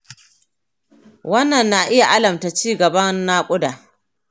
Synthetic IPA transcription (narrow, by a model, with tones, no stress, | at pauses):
wɐ˦nːɐ˨nːa˨ʔɪ˦ja˨ʔa˦lɐ˨mta˨t͡ʃiː˦˨ɡɐ˨bɐ˦nːaː˦kʷʼʊ˦daː˨